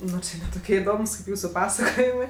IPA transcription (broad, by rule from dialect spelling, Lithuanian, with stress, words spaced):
ˈnʊ t͡ʃʲɪ nʲɛ ˈtoːkʲiɛ ɪˈdoːmʊs kɐɪp ˈjuːsʊ ˈpɑːsɐkoːjɪmɜ